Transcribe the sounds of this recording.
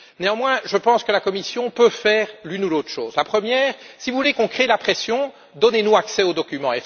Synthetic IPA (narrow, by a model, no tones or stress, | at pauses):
neɑ̃mwɛ̃ʒəpɑ̃skəlakɔmisjɔ̃pøfɛːʁlynuloːt̪χʃo̰ːzlapχəmjɛːʁsivuvulekɔ̃kχelapχesjɔ̃ | d̪ɔnenuaksɛod̪ɔkʲymɑ̃ɛ